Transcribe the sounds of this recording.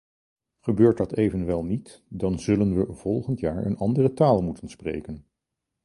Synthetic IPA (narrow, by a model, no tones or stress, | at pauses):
χəbøːɹtdɑtejvənʋɛlˠnit | dɑnzɵlənʋəv̥ɔlˠχəntjaːɹə̰nɑndərətaːlˠmutənsprḛjkən